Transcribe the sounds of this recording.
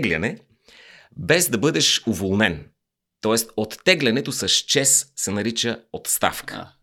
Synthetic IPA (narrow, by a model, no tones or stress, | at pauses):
ɡlʲɐnɛ | bɛzd̪ɐbɤd̪ɛʃovolˠnɛn | t̪ɔɛst̪ot̪ːɛɡlʲɐnɛt̪osɐʃt͡ʃɛssɛnɐɾit͡ʃəot̪st̪a̰fkə̥